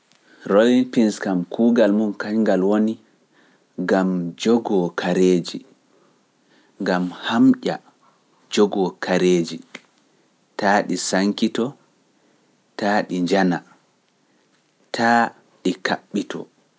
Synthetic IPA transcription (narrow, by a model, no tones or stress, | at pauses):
ɾolinpinskamkʰuːɡalmunkaɲɡalwoni | ɡamd͡ʒɔɡɔkʰaɾeːd͡ʒi | ŋɡamhamʔʲa̰ | d͡ʒɔɡɔkʰaɾeːd͡ʒi | taːɗisaŋkitɔ | taːɗiɲd͡ʒana | tʰa | ɗikaɓːitʰɔ̰